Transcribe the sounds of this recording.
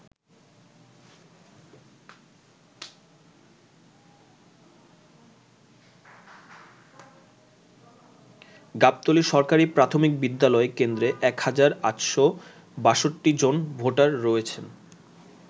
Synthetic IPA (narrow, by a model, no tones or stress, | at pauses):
ɡap̚t̪oliʃɔɾkaɾipɾat̪ʰomik̚bid̪ːalɔekend̪ɾeʔɛkhad͡ʑaɾa̰t̪ʃo | baʃoʈːid͡ʑonbʱoʈaɾːɔet͡ɕʰen